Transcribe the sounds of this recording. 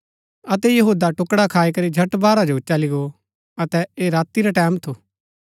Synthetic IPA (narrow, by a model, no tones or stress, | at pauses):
ɐt̪ɛjɐɦuːd̪aʈʊkɽakʰaːikɐɾid͡ʒʱɐʈbaːɾad͡ʒot͡ʃɐliɡo | ɐt̪ɛeːɾaːt̪iɾaʈɛːmt̪ʰoː